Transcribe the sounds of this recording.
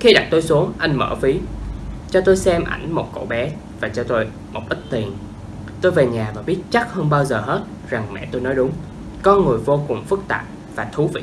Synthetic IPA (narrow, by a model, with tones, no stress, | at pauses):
xi˧ɗa̰˨˩k̚t̪o˧jsu˨˦əŋʔa˧jŋ̟mə̰ː˧˩fi˨˦t͡ɕɔ˧t̪o˧jsɛ˧mʔa̰˧˩jŋ̟mo˨˩t̚ko̰˧˥ɓɛ˨˦ | vaː˨˩t͡ɕɔ˧t̪o˧j | mo˨˩k͡p̚ʔï˦˥k̟̚t̪i˨˩ən | t̪o˧jve˨˩ɲaː˨˩vaː˨˩ɓi˦˥ət̚t͡ɕa˦˥k̚həː˧nɓaː˧wzəː˨˩ɦe˦˥t̚ | za˨˩ŋmɛ̰˧˨t̪o˧jnɔ˨˦jɗʊ˨˦ŋ͡m | kɔ˨˧nŋɨ˨˩əjvo˧kʊ˨˩ŋ͡mfɨ˦˥k̚t̪a̰ː˨˩p̚ | vaː˨˩t̪ʰu˨˦vḭ˧˨